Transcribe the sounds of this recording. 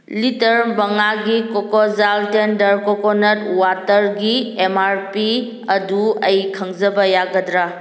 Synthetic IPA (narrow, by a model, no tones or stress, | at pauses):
litɐɾbɐŋaɡikokɔzaltendɐɾkɔkonɐt̚watɐɾɡiemaɾpi | ɐduɐjkʰɐŋzɐbɐjaɡɐdɾa